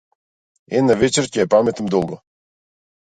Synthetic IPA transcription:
enavʲet͡ɕerkʲepamʲet̪əmd̪olˠɡo

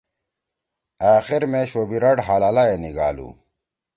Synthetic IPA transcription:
aːxiɾmẽɕoːbiɾɐɽɦaːlaːlaeːniɡa̰ːlṵː

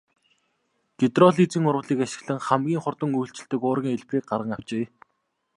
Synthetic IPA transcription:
ɡ̥et̪rɔɮit͡siːŋʊɾwə̆ɮiːkaʃɪ̆ɣɮə̆ŋχæmɡʲiːŋχʊrt̪ə̆ŋujɬt͡ɕɪ̆ɬt̪ɘ̆kʊːrɣʲiːŋeɮpʰeːk̚ɢaɾrʁə̆ŋaw̥t͡ɕeː

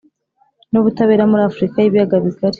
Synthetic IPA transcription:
nuβutaβeːɾamuɾaːfɾikajiβijaɡaβiɡaɾi̥

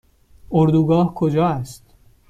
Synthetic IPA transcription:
oɾd̪uːɡɒːhkʰod͡ʒɒːæst̪

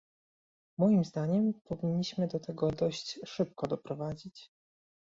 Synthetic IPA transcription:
mɔjimzd̪aɲɛmpɔvʲiɲːiɕmɘd̪ɔt̪ɛɡɔd̪ɔɕt͡ɕʂɘp̚kɔd̪ɔpɾɔvad͡ʑit͡ɕ

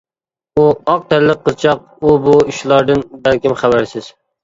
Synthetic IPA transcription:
uɑq̚t̪ʰæɾlɪqʰːɨzt͡ʃʰɑq̚ | ubuiʃlˠɑɾd̪ɨnbælkʲɪmχæbæɾsɪz̥

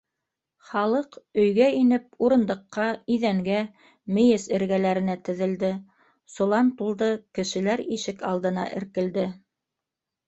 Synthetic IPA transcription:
χɑlˠɤqɵ̆jɡæinɘp̚uɾɤ̆nd̪ɤ̆qːɑiðæŋɡæ | mɘ̆jɘsɘ̆ɾɡælæɾɘ̆næt̪ɘ̆ðɘ̆ld̪ɘ | sŏlˠɑmt̪ulˠd̪ɤkɘ̆ʃɘ̆læɾiʃɘkɑlˠd̪ɤ̆nɑ̰ʔɘ̆ɾkɘ̆ld̪ɘ

